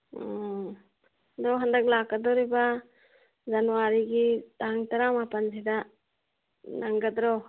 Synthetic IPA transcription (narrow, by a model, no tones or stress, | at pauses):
dɔwɦand̪ak̚lakːad̪ɔɾiba | zanuwaɾiɡidaŋtaɾamapansida | naŋɡad̪ɾɔ